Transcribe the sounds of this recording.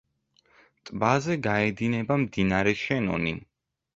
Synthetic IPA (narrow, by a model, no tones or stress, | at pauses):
t̪ʼbazɛɡaɛd̪inɛbamd̪inaɾɛʃɛnɔ̰ni